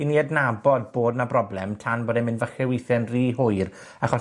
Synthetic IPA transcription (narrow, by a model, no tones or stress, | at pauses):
iniːadnabɔd̚boːdnabrɔblɛmtʰanboːdɛmɪnvəχɛwɪjθɛnriːɦʊɨr | aχɔ